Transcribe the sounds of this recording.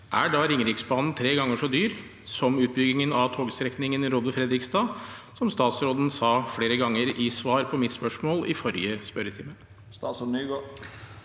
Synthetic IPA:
ʔæ̰ɖɑːɾɪŋɾɪksbɑːnn̩t̪ʰɾeːɡɑŋːəʂɔd̪yːɾ | sɔmʉːt̪̚bʏɡɪŋənɑʋt̪ʰoːɡst̪ɾɛknɪŋənɾoːd̪əfɾɛd̪ɾɪkst̪ɑːsɔmst̪ɑːt̪sɾoːd̪n̩sɑːfɽeːɾəɡɑŋːəɾɪsʋɑːɾpʰɔmɪt̪spœʂmoːlɪ̰fɔɾjəspœɾət̪ʰɪmə | st̪ɑːsɔnyɡo

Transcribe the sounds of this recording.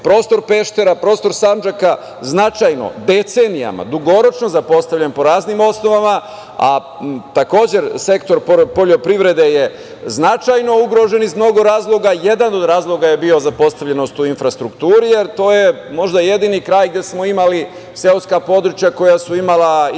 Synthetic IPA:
pɾo̞ːst̪o̞ɾpe̞ʃt̪e̞ɾapɾo̞ːst̪o̞ɾsamnd͡ʒaka | znat͡ʃajno̞̰d̪e̞t̪se̞nija̰ma̰d̪uɡo̞ɾo̞t͡ʃno̞zapo̞st̪aʋʎʲenpo̞ɾaːznimo̞sno̞ʋama | a̰ | t̪ako̞ːd͡ʑe̞ɾse̞kt̪o̞ɾpopo̞ʎo̞pɾiʋɾe̞d̪e̞je̞ | znat͡ʃajno̞uɡɾo̞ʒe̞nizmno̞ɡo̞ɾaːzlˠo̞ɡaje̞d̪ano̞d̪ɾaːzlˠo̞ɡaje̞bio̞zapo̞st̪aʋʎeno̞st̪uinfɾast̪ɾukt̪uːɾije̞ɾt̪o̞ːje̞ | mo̞ʒd̪aje̞d̪inikɾaːjɡd̪je̞smo̞imali | seuskapo̞d̪ɾut͡ʃjako̞jasuimala

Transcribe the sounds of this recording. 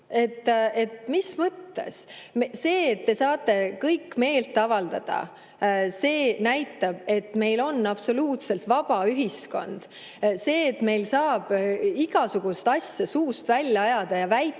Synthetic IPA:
e̞t̪ːe̞t̪mismɤt̪ːe̞̰smse̞ːt̪̚ːe̞sɑːt̪ːˑe̞kɤjkːme̞ːlt̪ːɑvɑld̪ɑ̰d̪̥ɑ̰ | se̞ːnæjt̪ːˑɑb̥e̞t̪me̞jlo̞nːɑb̥so̞luːt̪se̞lt̪vɑb̥ɑyɦisko̞̰nd̪̥ | se̞ːt̪me̞jlsɑːb̥iɡ̥ɑsuɡ̥ust̪ɑsʲjɑsuːst̪vælʲjːɑɑjɑd̪̥ɑjɑvæj

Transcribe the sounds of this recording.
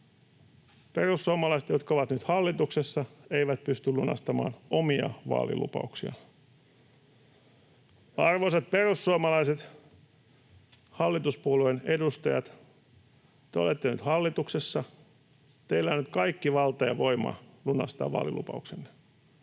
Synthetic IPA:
perusːuomɑlɑiset̪jot̪kɑoʋɑt̪nyt̪hɑlːit̪uksesːɑeiʋæt̪̚pyst̪ylːunɑ̰st̪ɑmɑ̰ːnomiɑ̰ʋɑ̰ːlḭlṵpɑ̰uksiɑ̰ | ɑrʋosɑt̪̚perusːuomɑlɑiset̪ | hɑlːit̪uspuoluenedust̪ɑjɑt̪ | t̪eo̞̰let̪ːeny̰t̪hɑlːit̪uksesːɑ | t̪eilːænːyt̪̚kɑikːiʋɑlt̪ɑjɑ̰ʋo̞imɑ̰lunɑst̪ɑ̰ːʋɑ̰ːlḭlṵpɑ̰uksenːe̥

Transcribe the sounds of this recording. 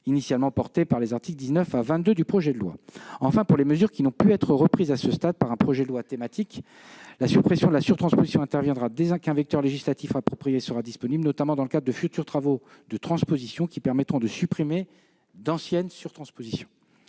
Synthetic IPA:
inisjalmɑ̃pɔʁt̪epaʁlezaʁt̪ikld̪iznœfavɛ̃t̪̚d̪ød̪ypχɔʒɛd̪əlwa̰ɑ̃fɛ̃puʁleməzyʁkʲinɔ̃pyɛt̪χəʁəpχizasəst̪ad̪̚paʁɛ̃pχɔʒɛd̪əlwat̪emat̪ik | lasypχesjɔ̃d̪əlasyʁt̪χɑ̃spozisjɔ̃ɛ̃t̪ɛʁvjɛ̃d̪ʁad̪eɛ̃kɛ̃vɛk̚t̪œʁleʒislat̪ifapχɔpχijesəʁad̪ispɔniblnɔt̪amɑ̃d̪ɑ̃ləkad̪ʁəd̪əfyt̪yʁt̪χavod̪ət̪χɑ̃spozisjɔ̃kʲipɛʁmɛt̪χɔ̃d̪əsypχime | d̪ɑ̃sjɛnsyʁt̪χɑ̃spozisjɔ̃

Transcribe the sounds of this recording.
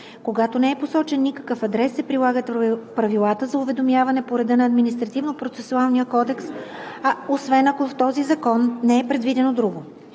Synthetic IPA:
koɡat̪onɛɛposɔt͡ʃɛnːikɐ̥kəfɐd̪ɾɛsːɛpɾilˠaɡət̪pɾɐvilˠat̪əzɐuvɛd̪omjavɐnɛpoɾɛd̪ənɐːd̪minist̪ɾɐt̪ivnopɾot̪sɛsʊalˠnijəkɔd̪ɛksaosvɛnɐkoft̪ɔzizɐkɔnːɛɛpɾɛd̪vid̪ɛnod̪ɾuɡo

